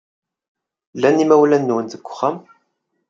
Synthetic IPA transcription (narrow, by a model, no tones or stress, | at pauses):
lːænimæwlænːuwənðəɡʷʊ̥χæm